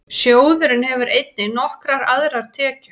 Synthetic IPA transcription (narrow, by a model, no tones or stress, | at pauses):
sjoːwðʏɾɪnhɛvʏɾʔejt̪̚nɪnɔhkɾaɾaðɾaɾ̥t̪ʰɛːcʏ̥